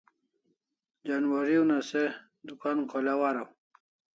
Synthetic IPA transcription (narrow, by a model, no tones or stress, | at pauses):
d͡ʑanwaɾiunase | d̪ukankʰolawaɾaw